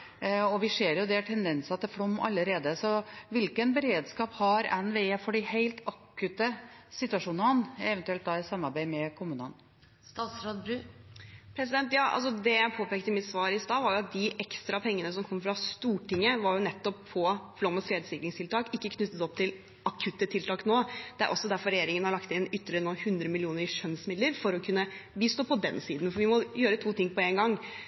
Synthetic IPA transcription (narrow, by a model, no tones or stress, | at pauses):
ɔʋɪʂeːɾjʊd̪ɛæʈʰɛnd̪ɛnsɑt̪ɛflɔmːʔɑ̰lːəɾeːd̪əsɔʋɪlkənbəɾeːd̪skɑːphɑɾɛnʋeeːfɔɖɪheɪlt̪ʰɑkːʉt̪əsɪt̪ʉɑʂuːnəhɑnɛʋɛnt̪ʉɛlt̪d̪ɑɪsɑmːɑɾbæɪmɛkʰʊmʉːnə̰n | st̪ɑːt̪sɾod̪bɾʉ | pʰɾɛsɪd̪ɛnt̪jɑːʔɑ̰ls̬ɔd̪ɛjæɪpʰoːpeːkt̪əmɪt̪sʋɑːɾɪst̪ɑːʋɑɾjʊɑt̪̚d̪ɪʔɛkst̪ɾɑpʰɛŋːənəsɔmkʰɔmːfɾɑst̪uːʈɪŋːəʋɑɾjʊnɛt̪ːɔpʰːɔflɔməskɾeːd̪əsɪkɾɪŋst̪ʰɪlt̪ʰɑːkɪkːəkʰnʉt̪ːət̪ɔp̚t̪ʰɪl | ɑkʰʉt̪ːət̪ʰɪlt̪ʰɑːknoːd̪̥ɛæɾʔɔ̰sːɔd̪æɾfɔɾɛjeːɾɪŋənhɑɾɭɑkt̪ɪnʏt̪ːəɭɪɾənoːhʉnd̪ɾəmɪlɪuːnəɾɪʂœnsmɪd̪ləɾfɔɾɔkʰʉnːəbiːst̪oːpɔd̪ɛnsiːd̪n̩fɔɾʋɪmɔjøːɾət̪ʰuːt̪ɪŋːpɔeːnɡɑŋː